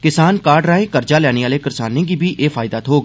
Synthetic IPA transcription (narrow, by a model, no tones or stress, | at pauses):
kɪsaːnkaːɾɖɾaːẽːkəɾd͡ʒaːlɛːɽ̃eːaːleːkəɾsaːnːẽːkiːbiːʔeːfʰaːɪd̪aːt̪ɦoːɡ